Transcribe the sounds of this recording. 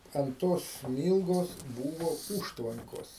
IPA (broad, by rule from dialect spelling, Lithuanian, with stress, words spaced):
ɐnt ˈtoːs ˈsʲmʲiːlˠɡoːs ˈbuːʋoː ˈuːʃtʋɐŋkoːs